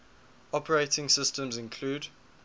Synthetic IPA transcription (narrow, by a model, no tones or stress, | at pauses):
ɔpʰəɹeɪtɪ̃ŋsɪstə̃mzɪ̃nkʰl̥uːd